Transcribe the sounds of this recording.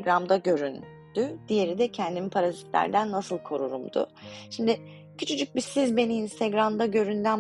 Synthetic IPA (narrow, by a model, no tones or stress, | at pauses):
ɡɾamd̪aɟø̞ɾyn | d̪̥yd̪̥ije̞ɾid̪ɛcʰɛnd̪imipʰaɾazit̪ʰlʲæ̰ɾd̪ænːasɯlˠkʰo̞ɾuɾumd̪ʊ̰ʃimd̪ɪ | cʰyt͡ʃʰyd͡ʒykc̚bisizbe̞niːnst̪ʰeɡɾamd̪aɟø̞ɾynd̪æn